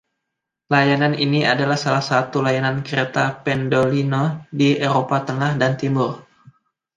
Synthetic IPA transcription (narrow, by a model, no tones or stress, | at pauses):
lajananiniadalahsalahsat̪ulajanankəɾet̪apɛndolinodiʔeɾopat̪əŋahdant̪imʊr